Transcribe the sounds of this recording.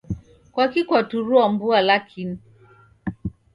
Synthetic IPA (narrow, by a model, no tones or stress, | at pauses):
kwakikwatuɾuambualakʰini